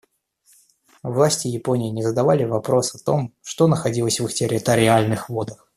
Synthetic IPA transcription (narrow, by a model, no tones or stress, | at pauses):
vlˠasʲtʲɪjɪpo̞nʲɪjːnʲɪzəd̪ɐvalʲɪvɐpɾo̞sɐt̪o̞̰mʂt̪o̞nəxɐdʲilˠəsʲvɨxtʲɪɾʲɪt̪əɾʲɪalʲnɨxvo̞d̪əx